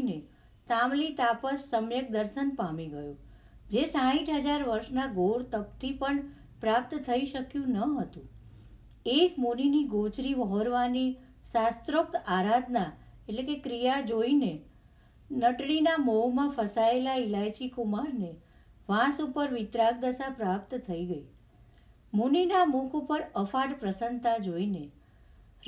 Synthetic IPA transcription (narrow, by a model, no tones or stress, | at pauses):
ne | samlit̪apəsːəmjək̚d̪əɾʃənpamiɡəjũ | d͡ʒesãiʈʰɦəd͡ʒaɾʋəɾʃnaɡoɽt̪əp̚t̪ʰipəɳ | pɾap̚t̪t̪ʰəiʃəkjũnəɦət̪ũ | ekmuniniɡot͡ʃɾiʋəɦoɾʋani | sast̪ɾok̚t̪aɾad̪ʱna | eʈlekekɾijad͡ʒoine | nəʈɽinamoɦmãfəsaelaɪlajt͡ʃikumaɾne | ʋãsupəɾʋɪt̪ɾaɡ̚d̪əsapɾap̚t̪t̪ʰəiɡəi | muninamukʰupəɾəfaɽpɾəsənt̪ad͡ʒoine